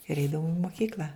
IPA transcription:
ɪr ˈɛɪdɐʋʊm ɪ moːkʲiːklʲɐ

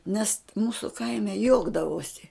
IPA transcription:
nʲɛs ˈmuːsʊ ˈkɐɪmʲɛ ˈjuɔɡdɐʋoːsʲɪ

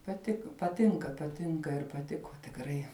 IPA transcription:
pɐˈtʲɪkoː pɐˈtʲɪŋkɐ pɐˈtʲɪŋkɐ ɪr pɐˈtʲɪkʊ tʲɪkˈrɐɪ

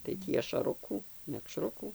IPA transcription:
tɐɪ ˈtʲiː ɐʃɐˈrʊkuː mʲɛkˈʃrʊkuː

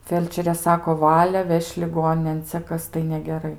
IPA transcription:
ˈfʲɛlʲt͡ʃʲɛrʲeː ˈsɑːkoː ˈʋɑːlʲɛ ˈʋʲɛʃʲ lʲɪˈɡoːnʲɪnʲeːn ˈt͡sʲɛ ˈkɐs tɐɪ nʲɛɡʲɛˈrɐɪ

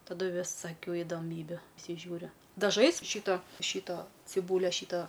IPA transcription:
tɐˈdʊ ʋʲɪsɐˈkʲuː ɪdoːˈmʲiːbʲuː pʲrʲɪsʲɪˈʒʲuːrʲʊ dɐˈʒɐɪs ˈʃʲiːtoː ˈʃʲiːtoː t͡sʲɪˈbuːlʲɛ ˈʃʲiːtoː

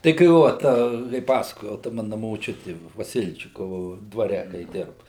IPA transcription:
tɐɪ kɐɪ ˈʋoː tɐ kɐɪ ˈpɑːsɐkoːjɛʊ tɐ ˈmɑːnɐ moːˈt͡ʃʲʊtʲɪ ʋɐˈsʲɪlʲt͡ʃʲɪkoːʋʊ dʋɐˈrʲɛ kɐɪ ˈdʲɪrbɐ

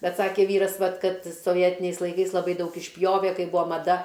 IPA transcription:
ˈbʲɛt ˈsɑːkʲeː ˈʋʲiːrɐs ˈʋɐt ˈkɐt soːˈʋʲiɛtʲɪnʲɛɪs lˠɐɪˈkɐɪs lˠɐˈbɐɪ ˈdɐʊk ɪʃʲˈpʲjoːʋʲeː ˈkɐɪ ˈbʊʋoː mɐˈdɐ

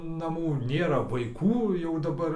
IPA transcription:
nɐˈmuː ˈnʲeːrɐ ʋɐɪˈkuː jɛʊ dɐˈbɐr

